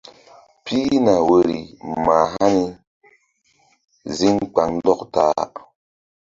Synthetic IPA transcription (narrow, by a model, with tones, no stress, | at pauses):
pʰi˦na˨we˨ɾḭ˨ma˨ɦa˦ni˧ | zi˦ŋk͡pa˨ŋn˦dɔ˦kta̰ː˨˦